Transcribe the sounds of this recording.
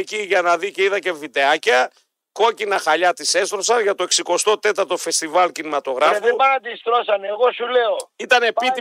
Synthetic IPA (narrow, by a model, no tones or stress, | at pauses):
ciʝɐnɐðiceiðɐce̞vit̪e̞ɐcɐ | ko̞cinɐxɐʎɐt̪ise̞st̪ɾo̞sɐnʝɐt̪o̞eksiko̞st̪o̞t̪e̞t̪ɐɾt̪o̞fe̞st̪ivɐlcinimɐt̪o̞ɣɾɐeeubɐnɐd̪ist̪ɾosɐneɣo̞suleoit̪ɐne̞pi